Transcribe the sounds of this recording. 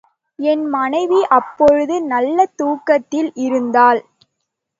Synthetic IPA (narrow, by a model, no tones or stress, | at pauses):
ɛnmɐnɐɪʋiʔɐpːɔɻɯðɯnɐlːɐt̪uːkːɐt̪ːɪlʔɪɾɯnd̪aːl